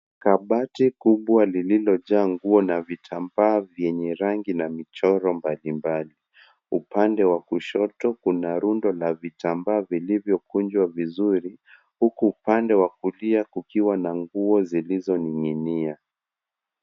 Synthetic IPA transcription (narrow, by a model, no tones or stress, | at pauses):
kaɓatikuɓwalililɔʄaːŋɡuɔnavitʰambaːvjɛɲɛɾaŋɡinamit͡ʃɔɾɔmbalimbali | upandɛwakuʃɔtɔkunaɾundɔlavitambaːvilivjɔkund͡ʒwavizuɾi | hukuːpandɛwakuliakukiwanaŋɡuɔzilizɔniŋinia